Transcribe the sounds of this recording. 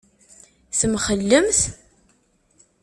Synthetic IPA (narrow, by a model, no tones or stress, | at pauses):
θəmχəlːəmθ